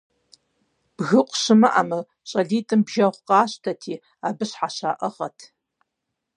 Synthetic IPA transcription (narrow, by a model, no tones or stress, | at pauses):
b̥ɣɨqʷʼɕɨmɐʔa̰mɐ | ɕʼɐɮiːtʼɨmbʒɐʁʷqʼɑːɕtʰɐtʰiː | aːbɨɕħaɕaːʔɐʁɐtʰ